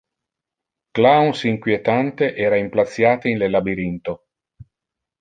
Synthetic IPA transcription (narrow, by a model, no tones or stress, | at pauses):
klawnsiŋkwjet̪ant̪eʔɛːɾaimplat̪sːjaːt̪ainlelabiɾint̪o